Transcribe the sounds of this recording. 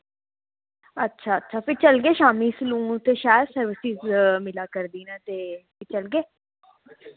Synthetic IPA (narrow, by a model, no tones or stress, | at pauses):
ətːʃʰaːətːʃʰaːpʰɪɾt͡ʃəlɡeːʃaːmiːslũːt̪eːʃaːjəd̪səɾʋɪsɪzmɪlaːkəɾd̪iːnɛːt̪eː | it͡ʃəlɡeː